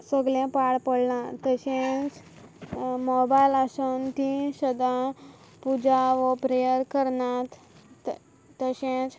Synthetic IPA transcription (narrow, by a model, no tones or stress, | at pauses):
səɡlẽpaɽpəɽnat̪əɕẽt͡s | mɔbajlaɕənt̪ĩɕəd̪a | pud͡ʑaʋəpɾejəɾkəɾɳat̪ | t̪əɕẽt͡s